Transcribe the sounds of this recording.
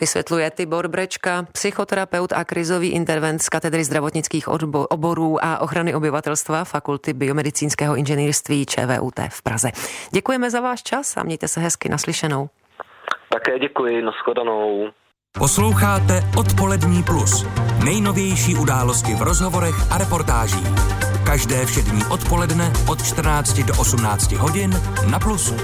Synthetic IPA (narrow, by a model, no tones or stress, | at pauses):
vɪsvʲjɛ̰t̪lujɛt̪ɪbo̞ɾbɾɛt͡ʃkapsɪxo̞t̪ɛɾapɛwt̪akɾɪzo̞viːʔɪnt̪ɛɾvɛnt̪skat̪ɛd̪ɾɪzd̪ɾavoɲɪt͡skiːxʔobo̞ɾuːʔaʔo̞xɾanɪʔo̞bɪvat̪ɛlst̪vafakult̪ɪbɪo̞mɛdɪt͡siːnskɛːɦoɪnʒɛniːɾst̪viːt͡ʃɛ̰ːvɛ̰ːʔṵːt̪ɛ̰ːfpɾazɛɟɛkujɛmɛzavaːʃt͡ʃasa̰mɲɛjt̪ɛsɛɦɛskɪnʔaslɪʃɛno̞w | t̪akɛːɟɛkujɪnasxodanow | poslo̞wxaːt̪ɛʔot̪po̞lɛdɲiːplusnɛjno̞vjɛjʃiːʔudaːlo̞scɪvɾozɦovo̞ɾɛxʔaɾɛpo̞ɾt̪aːʒiːxkaʒdɛːfʃɛdɲiːʔo̞t̪po̞lɛdnɛʔot̪̚t͡ʃt̪r̩naːt͡scɪdoʔosumnaːt͡scɪɦoɟɪnː | aplusu